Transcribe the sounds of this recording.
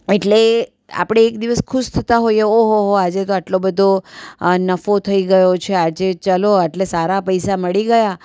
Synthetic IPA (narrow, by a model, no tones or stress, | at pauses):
eʈle | a̰pɽ̃eːkd̪iʋəskʰuʃt̪ʰət̪aɦojeoɦoɦoad͡ʒet̪oaʈlobəd̪ʱonəfot̪ʰəiɡəjot͡ʃʰead͡ʒet͡ʃəloeʈlesaɾapəjsaməɭiɡəja